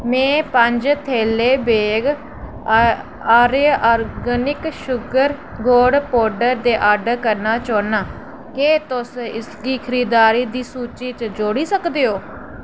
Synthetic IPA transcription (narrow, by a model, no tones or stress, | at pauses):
mɛ̃ːpəɲd͡ʒt̪ʰeːleːbeːɡ | aːɾeːɔːɾɡənɪkʃʊɡəɾ | ɡoːɖpoːɖəɾd̪eːʔaːɖkəɾnaːt͡ʃoːnaː | keːt̪ʊsɪskiːkʰəɾiːd̪aːɾiːd̪iːsuːt͡ʃiːt͡ʃd͡ʒoːɽiːsəkd̪eːoː